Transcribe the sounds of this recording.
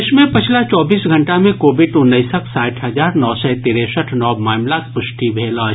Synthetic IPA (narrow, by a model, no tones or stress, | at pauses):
ɪʃmẽpɪt͡ʃʰlat͡ʃɔːbiːsɡʱə̃ɳʈamẽkoːbɪɖʊnːəɪsəksaːʈʰɦɐd͡ʒaːɾnɔːsɛt̪iːɾesəʈʰnɔːmaːmlakpʊʃʈibʱeːla